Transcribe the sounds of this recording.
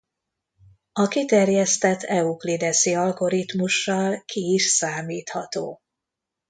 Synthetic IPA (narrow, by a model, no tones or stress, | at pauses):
ɒkit̪ɛrjɛst̪ɛt̪ʰːɛuklid̪ɛsiɒlɡo̞ɾit̪muʃːɒlkʰiːʃsaːmiːt̪hɒt̪o̰ː